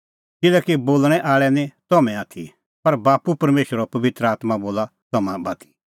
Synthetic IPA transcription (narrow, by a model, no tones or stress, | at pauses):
kɪlɛkiboːlɽ̃ɛʔaːɭɛnĩt̪ɔmɛ̃aːt̪ʰḭ | pɐɾbaːpupɐɾmeːʃəɾɔpɐʋɪt̪ɾəaːt̪maboːlat̪ɐmãbaːt̪ʰi̥